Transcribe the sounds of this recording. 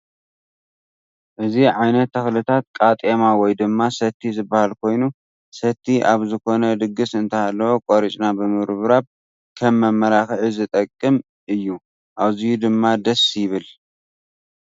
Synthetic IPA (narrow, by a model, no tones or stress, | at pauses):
ʔɨziʕajnɐt̪ːɐxlɨt̪ʰat̪̚kʼat̪ʼemawɔjd̪ɨmːasɐt̪ʰːizɨbːahalkʰo̞jnu | sɐt̪ʰːiʔaβzɨkʰo̞nɐd̪ɨɡɨsɨnt̪ʰɐhalːɐwo̞kʼoɾit͡ʃʼnabɨmɨɾβɾaβ̚ | kʰɐmːɐmːɐɾaxʕizɨt̪ʼɐkʼːɨm | ʔɨjːu | ʔaβzɨjud̪ɨmːad̪ɐsjɪβɨl